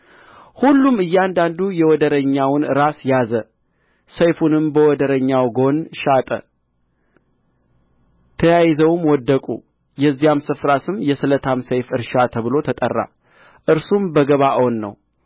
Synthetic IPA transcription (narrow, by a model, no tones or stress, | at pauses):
hulːumɨjːɛand̪and̪ujɛwɔd̪əɾəɲːawnɾasjazə | səjfunɨmbəwɔd̪əɾəɲːawɡo̞nʃat̪ʼə̰ | t̪ʰəjajzəwmwɔd̪ːəkʼṵ | jɛzːijamsɨfɾasɨmjɛsɨlət̪ʰamsəjfɨɾʃat̪ʰəβɨlo̞t̪ʰət̪ʼə̰rːa̰ | ʔɨɾsumbəɡəβaʔwnːə̰w